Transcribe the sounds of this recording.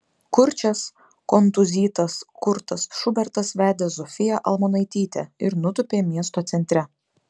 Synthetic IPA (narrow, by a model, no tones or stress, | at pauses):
kʊɾʲt͡ʃʲɛs | kɔnt̪ʊzʲiːt̪ɐskʊɾt̪ɐsʃʊbʲɛɾt̪ɐsʋʲæːd̪ʲeːzɔfʲɪjɛʔɐlˠmɔnɐɪt̪ʲiːt̪ʲɛɪɾnʊt̪ʊpʲeːmʲiɛs̬t̪oːt̪sʲɛnʲt̪ʲɾʲɛ